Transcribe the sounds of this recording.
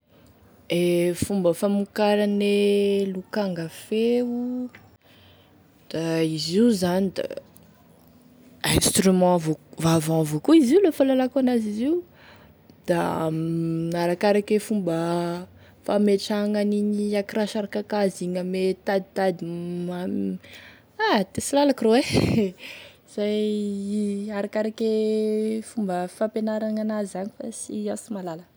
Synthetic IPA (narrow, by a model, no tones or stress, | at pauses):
efumbəfamukaɾanelukaŋɡafeu | d̪̥aiziuzanid̪a̰ | ɛ̃st̪rymɑ̃vovavãvokuiziulofalalakanaziziu | d̪̥amnaɾakaɾakefumbə | fameʈ͡ʂaŋaniɲiakiraʃaɾakakaziŋəmet̪ad̪it̪ad̪ia | at̪esilalakrowe | z̥aj | aɾakaɾake | fumbəfapenaɾaŋanazanifa̰siasimalalə